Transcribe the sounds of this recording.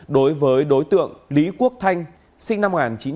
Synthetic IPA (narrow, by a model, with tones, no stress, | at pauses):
ɗo˨˦jvəː˨˦jɗo˨˦jt̪ɨ̰˧˨əŋli˨˦ku˦˥ək̚t̪ʰa˧jŋ̟ | sï˧ŋ̟na˧mo˨˩ŋaː˨˩nt͡ɕi˨˦n